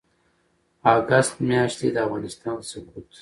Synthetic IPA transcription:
aɡast̪mjɑːʃt̪ed̪əafɣɑːnɪst̪ɑːnsʊkuːt̪

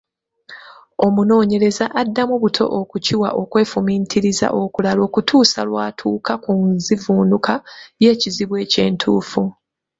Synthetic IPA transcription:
o̞muno̞ːɲe̞ɾe̞zaʔadːamuβutʰo̞̰ʔokuciwa̰ʔo̞kwe̞ːfumiːntʰiɾiza̰ʔo̞kulalo̞ːkutʰuːsa̰lwaːtʰuːkakunzivuːnukaje̞ːciziβwe̞ːce̞̰ːntʰṵːfu

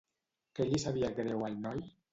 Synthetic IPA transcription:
keʎisaβiaɡɾewalnɔj

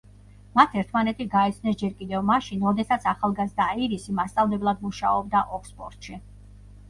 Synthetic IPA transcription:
mat̪ʰɛɾt̪ʰmanɛt̪ʰiɡaɛt̪sʰnɛsd͡ʒɛɾkʼid̪ɛvmaʃinɾɔd̪ɛsat̪sʰaχalˠɡazd̪aiɾisimast̪sʼavlɛblˠad̪muʃa̰ɔb̚d̪aʔɔkspʼɔ̰ɾt̪ʼʃi

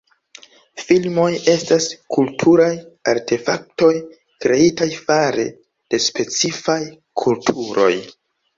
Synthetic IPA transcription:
filmo̞je̞staskʰultʰuɾajaɾtʰe̞fak̚to̞j | kɾe̞itajfaɾe̞̰ | d̥e̞spe̞t͡sifaj | kʰultʰuɾo̞̰j

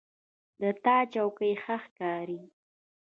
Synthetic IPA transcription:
d̪ət̪ɑt͡ʃawkəjxaxkɑɾi

